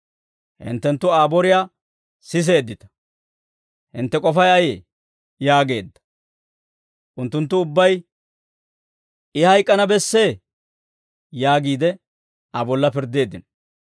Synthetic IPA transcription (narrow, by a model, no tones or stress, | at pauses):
hɪ̰nt̪ːɛnt̪ːʊaːbɔɾɪjaː | sɪs̬e̞ːd̪ːɪt̪ɐ̥ | hɪnt̪ːɛkʼɔfɐjɐjeː | jaːɡe̞ːd̪ːɐ̥ | ʔʊnt̪ːʊnt̪̬ːʊʊbːɐj | ɪhɐjkʼːɐnɐbɛsːeː | jaːɡiːd̪ɛ | ɐbɔlːɐpɪɾd̪e̞ːd̪ːɪnɐ